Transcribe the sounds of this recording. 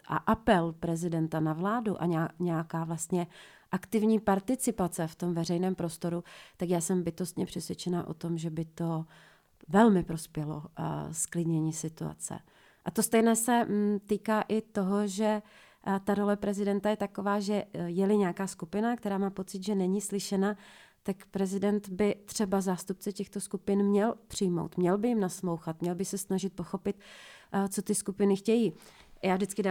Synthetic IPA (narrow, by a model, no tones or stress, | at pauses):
ʔa̰ʔapɛlpɾɛzɪdɛnt̪anavlaːduʔa̰ɲɛɲɛjakaːvlast̪ɲɛ | ʔakt̪ɪvɲiːpaɾt̪ɪt͡sɪpat͡sɛft̪o̞mvɛrɛjnɛːmpɾo̞st̪o̞ɾut̪akjaːsɛmbɪt̪o̞st̪ɲɛpr̥ɛsvjɛt͡ʃɛnaːʔo̞̰t̪o̞mʒɛbɪt̪o̞ | vɛlmɪpɾo̞spjɛlo̰sklɪdɲɛɲiːsɪt̪ua̰t͡sɛ̰ | ʔat̪ost̪ɛjnɛːsɛt̪iːkaːʔɪt̪o̞ɦo̞ʒɛ | t̪aɾo̞lɛpɾɛzɪdɛnt̪ajɛt̪ako̞vaːʒɛjɛlɪɲakaːskupɪnak̚t̪ɛɾaːmaːpo̞t͡sɪt̪ʒɛnɛɲiːslɪʃɛna | t̪akpɾɛzɪdɛnt̪bɪt̪r̥ɛbazaːst̪up̚t͡sɛcɛxt̪o̞skupɪnmɲɛlpr̝̥ɪjmo̞̰wt̪mɲɛlbɪjɪmnasmo̞wxat̪̚mɲɛlbɪsɛsnaʒɪt̪̚po̞xo̞pɪt̪t͡so̞t̪ɪskupɪnɪxcɛjiː | jaːvʒdɪt͡skɪda